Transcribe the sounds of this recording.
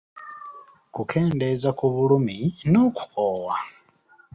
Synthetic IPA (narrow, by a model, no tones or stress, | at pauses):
kukʰe̞ːnde̞zakuβuluminoku̥kʰowa